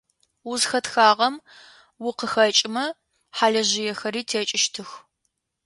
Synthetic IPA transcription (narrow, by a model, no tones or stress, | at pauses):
wʊzxɐtxaːʁɐm | wʊqəxɐt͡ʃʼɪmɐ | ħaːɮɐʑɪjɛxɐɾiːtʰeːt͡ʃʼɪʃtʰɨx